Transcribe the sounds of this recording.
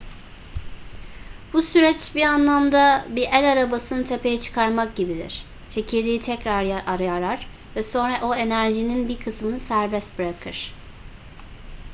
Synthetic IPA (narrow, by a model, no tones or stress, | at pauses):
b̥usyɾɛt͡ʃbianlˠamd̪abiʔælʲaɾabasɯnɯt̪ʰe̞pʰe̞jɛt͡ʃʰɯ̥kʰaɾmak̚ɟibid̪ḭɾ̥ | t͡ʃʰe̞cʰilʲd̪ʲiːit̪ʰɛcɾaɾjaʔaɾajaɾaɾ̥ | vɛso̞nɾaʔo̞e̞næɾʒininbiɾkʰɯsmɯnɯsæɾbɛst̪bɯɾakʰɯɾ̥